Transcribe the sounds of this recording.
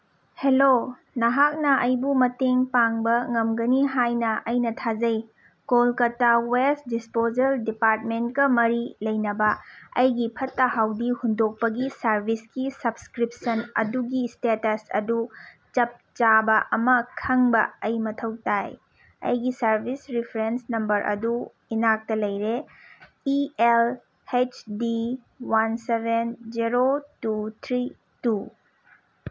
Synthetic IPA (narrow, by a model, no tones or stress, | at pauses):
helo | nɐɦak̚nɐʔɐjbumɐteŋpaŋbɐŋɐmɡɐniɦajnɐʔɐjnɐtʰad͡ʒɐj | kolkɐtːawes̚dispozɐldipaɾt̚menkɐmɐɾilɐjnɐbɐɐjɡipʰɐtːɐhawdihundok̚pɐɡisɐɾbʱiskisɐbskɾip̚sɐnɐ̰duɡistetɐsɐ̰du | t͡ʃɐp̚t͡ʃabɐʔɐmɐkʰɐŋbɐɐjmɐtʰɐwtaj | ɐ̰jɡisɐɾbʱisɾipʰɾensnɐmbɐɾʔɐ̰du | inak̚tɐlɐjɾe | iel | het͡ʃdi | wansebʱend͡ʒiɾotut̪ʰɾi | tu